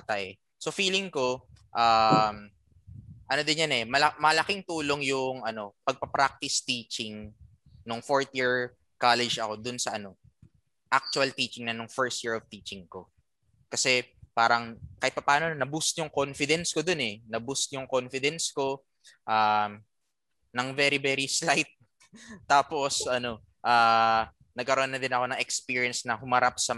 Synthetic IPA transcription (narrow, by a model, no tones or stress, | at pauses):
t̪ɐj | sofiːlɪŋko̞ʔam | ʔɐno̞d̪ɪnjanɛmɐlɐmɐlɐkɪŋt̪uːlo̞ŋjʊŋʔɐno̞pɐɡ̚pɐpɾak̚t̪ɪst̪iːt͡ʃɪŋ | nʊŋfoɹt̪jiɹ | kalɛd͡ʒɐ̰ko̞d̪ʊnsɐʔɐno̞ | ʔak̚t͡ʃʊɐlt̪iːt͡ʃɪŋnɐnʊŋfɛɹst̪̚jiɹov̥t̪iːt͡ʃɪŋko̞̰ | kɐsɛpaːɾɐŋkɐɪt̪̚pɐpaːno̞nɐbust̪jʊŋkonfɪd̪ɛnskod̪onɛnɐbust̪jʊŋko̞nfɪd̪ɛnsko̞ | ʔaː | nɐŋvɛɾivɛɾislajt̪̚ː | aːpo̞sʔɐno̞ | ʔaː | nɐɡkɐɾo̞ːnːɐd̪ɪnɐko̞nɐŋɛkspiːɹiɐnsnɐhʊmɐɾap̚sɐ